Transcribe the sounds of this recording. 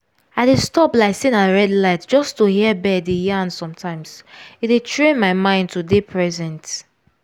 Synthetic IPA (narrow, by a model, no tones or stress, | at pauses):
aɪdestɔplaɪsĩnaɹɛdlaɪtd͡ʒɔstuhiəbɛdijãnsɔ̃mtʰãɪ̃mzitetʰɹẽnmaɪmãɪ̃nd̚tʰudepʰɹɛzɛ̃nt